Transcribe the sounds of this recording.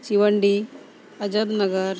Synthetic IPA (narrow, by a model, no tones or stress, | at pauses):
t͡ʃiʋɐɳɖi | ɐd͡ʒɐd̪nɐɡɐɾ